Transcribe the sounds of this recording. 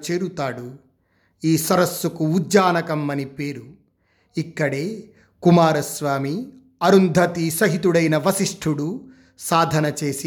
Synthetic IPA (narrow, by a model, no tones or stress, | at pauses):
t͡ʃeːɾut̪aːɽu | iːsɐɾɐsːukuːdd͡ʒaːnɐkɐmːɐnipe̞ːɾu | ikːɐɽeː | kumaːɾɐsʋaːmi | ɐɾund̪ʱɐt̪isɐɦit̪̬uɽɐjnɐʋɐsiʂʈʰuɽu | saːd̪ʱɐnɐt͡ʃeːsi